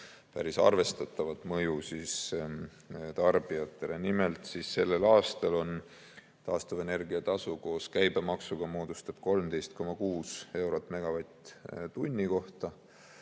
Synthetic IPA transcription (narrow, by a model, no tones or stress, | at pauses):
pæ̰ɾisɑ̰rve̞st̪ɑt̪ːˑɑvɑt̪ːˑmɤjusis | t̪ɑrb̥iɑt̪ːˑe̞le̞nimelt̪sisːe̞lːe̞lɑːst̪ɑlo̞n | t̪ɑːst̪uve̞ne̞rɡiɑt̪ɑsuko̞ːskæjbemɑksuɡ̥ɑmoːd̪̥ust̪ɑb̥̚ko̞lmd̪e̞jst̪̚ko̞mɑkuːse̞wɾo̞t̪ːˑme̞ɡ̥ɑvɑjt̪t̪unʲːiko̞ht̪ɑ